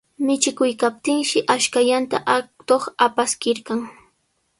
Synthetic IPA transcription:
mɪt͡ʃɪkʊjkap̚t̪ɪŋʃɪʔaʃkaʎant̪aʔt̪oχapaskɪɾkaŋ

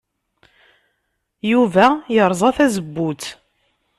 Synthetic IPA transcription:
juvæjəɾˤzˤɑθæzəbːʊt͡s̪

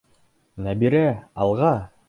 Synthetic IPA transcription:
næbiɾæɑlˠʁɑ

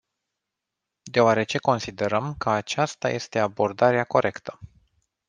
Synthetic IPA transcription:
d̪e̞oaɾe̞t͡ʃe̞ko̞nsid̪e̞ɾəmkəat͡ʃast̪a̰je̞st̪e̞abo̞rd̪aɾeako̞ɾʔe̞kt̪ʰə̥

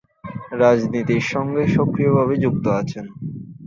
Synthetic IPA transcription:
ɾad͡ʑnit̪iɾʃɔŋɡeʃokɾijobʱaβed͡ʑuk̚t̪oat͡ɕʰen

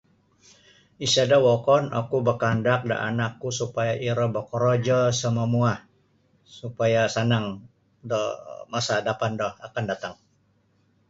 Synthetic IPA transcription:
isadawɔkɔna̰kubəkandak̚da̰ʔa̰nakːusupajaʔiɾəbəkɔɾɔd͡ʒɔsəmamuah | supajasanaŋ | dɔhmasadapandɔhakandat̪aŋ

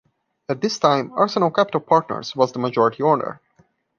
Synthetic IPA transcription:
æt̪̚d̪ɪstãɪ̃mɑɹsənəlˠkʰæpɪtəlˠpʰɑɹtnə̰ɹzwʌzd̪əməd͡ʒɔɹɪtʰiɔɹnə̰ɹ

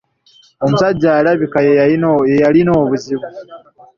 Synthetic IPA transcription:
o̞musaɟːalaβikajeejalino̞ːβuziβu

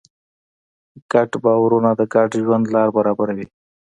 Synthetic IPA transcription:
kaʈbɑwaɾunad̪əkaʈʒwand̪lɑːɾbaɾɑbaɾawi

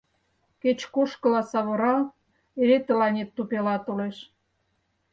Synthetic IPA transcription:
ket͡ɕkoʃkə̆lɑsɑβoɾɑ | eɾet̪ə̆lɑnʲet̪ːupelɑt̪oleʃ

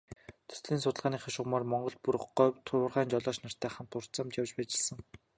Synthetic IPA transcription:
t̪ʰɵ̥sɮiːnsʊt̪ə̆ɮʁaːniːχaʃʊmaːrmɔɴɢɞ̆ɮpuɾχɢɔːt̪ʰʊwʊ̆rʁæːnt͡ɕɔɮɔːʃnar̥t̪ʰæːχə̆nt̪ʰːʊr̥t͡sə̆mt̪jawt͡ɕpæːt͡ɕɪ̆ɮsə̆ŋ

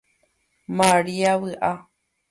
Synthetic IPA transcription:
maɾiaβɨʔa

